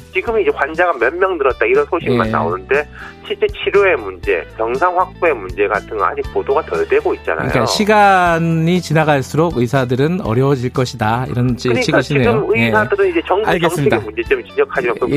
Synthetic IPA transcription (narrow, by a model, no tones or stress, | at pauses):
t͡ɕiɡɯmid͡ʑe̞kwand͡ʑaɡamjʌnmːjʌŋdɯɾʌt̚t͈aiɾʌnsʰoɕʰima̰nːa̰o̰nɯnde̞ɕʰiɭt͡ɕ͈e̞t͡ɕʰiɾjoe̞mund͡ʑe̞̰kjʌŋsʰaŋɸwak̚p͈oe̞mund͡ʑe̞ɡa̰tʰɯŋɡʌ̰a̰d͡ʑik̚podoɡatʌɭdwe̞ɡoit̚t͡ɕ͈a̰naɯ̰ɲijk͈aɕʰiɡanɲit͡ɕinaɡaɭs͈uɾoɡɯisʰadɯɾɯnʌ̰ɾjʌd͡ʑiɭk͈ʌɕʰidaḭɾʌnɕiɯiɡɯɕʰinieɯomɯiesʰadɯɾɯnid͡ʑe̞t͡ɕʌŋɡaɭɡŋsɯɲiedaemund͡ʑe̞t͡ɕiɯmt͡ɕind͡ʑʌkʰad͡ʑiɡakɯ